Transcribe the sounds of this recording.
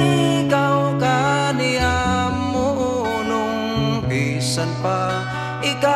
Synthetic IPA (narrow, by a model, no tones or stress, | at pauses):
ɪkawkanɪammːʊ | nʊŋ | bi | sanpa | ʔɪka